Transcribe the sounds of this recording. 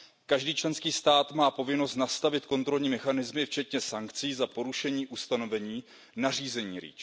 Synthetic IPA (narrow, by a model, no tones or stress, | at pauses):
kaʒdiːt͡ʃlɛnskiːst̪aːt̪maːpo̞vɪno̞st̪nast̪avɪt̪̚ko̞nt̪ɾo̞lɲiːmɛxanɪzmɪft͡ʃɛt̪ɲɛsaŋkt͡siːzapo̞ɾuʃɛɲiːʔust̪ano̞vɛɲiː | nar̝iːzɛɲiːɾḭːt͡ʃ